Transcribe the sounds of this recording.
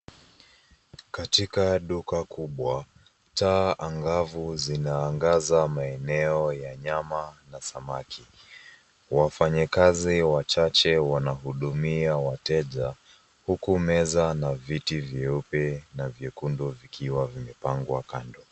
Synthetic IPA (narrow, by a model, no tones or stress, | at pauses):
katikaɗukakuɓwa | taːʔaŋɡavuzinaːŋɡazamaɛnɛɔjaɲamanasamakʰi | wafaɲikaziwat͡ʃat͡ʃɛwanahuɗumiawatɛʄa | hukumɛzanavitivjɛupɛnavjɛkundɔvikʰiwavimɛpaŋɡwakandɔ